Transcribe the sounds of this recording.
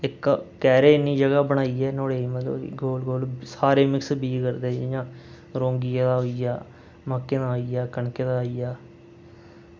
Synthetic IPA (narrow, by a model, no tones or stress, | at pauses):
ɪkː | ɛːɾeːniːd͡ʒəɡaːbəɽ̃aːiːɛːnoːɽeːiːmət̪lə̰bɡoːlɡoːlsaːɾeːmɪksbiːkəɾd̪eːjãː | ɾõːŋɡijaːd̪aːɦoːijaː | maːkːeːd̪aːɦoːiːjaːkəɳkeːd̪aːɦiːjaː